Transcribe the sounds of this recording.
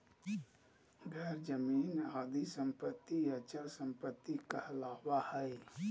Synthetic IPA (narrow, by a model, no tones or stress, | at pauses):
ɡʱɛɾd͡ʒəmiːnaːd̪isə̃mpət̪ːiət͡ʃəlsə̃mpət̪ːikəhlaːwahɛe